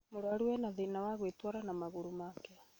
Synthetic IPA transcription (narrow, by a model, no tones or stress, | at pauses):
moɾoaɾuwɛnaðinawaɣwetwaɾanamaɣuɾumaːkɛ